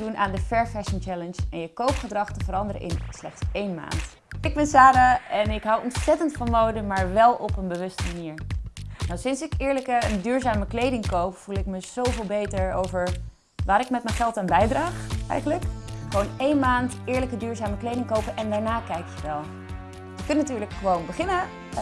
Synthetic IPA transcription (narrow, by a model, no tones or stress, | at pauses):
dunʔaːndəfɛɹfɛʃənt͡ʃɛlənsɛnjəkowpχədrɑχtəvəɾɑndəɾə̰ʔɪ̰nslɛχtsejnma̰ːnt | ɪɡ̚bɛnsaːɾaɛnɪkɦɔwɔntsɛtəntfɑnmowdəmaːɹʋɛlˠɔpənbəʋɵstəmaniːɹnawsɪnsɪkɪːɹləkəəndyːɹzaːməklejdɪŋkowpfulˠɪkməz̥owvɪːlˠbejtəɹowvəɹ | ʋaːɾɪkmɛtmɛnχɛlˠtaːnbɛjdraːχɛ̰jχənləkχəʋonejnmaːntɪːɹləkədyːɹzaːməklejdɪŋkowpənʔɛndaːɹnaːkɛjkjəʋɛlˠ | jəkɵnənatyːɹləkχəʋownbəχɪnə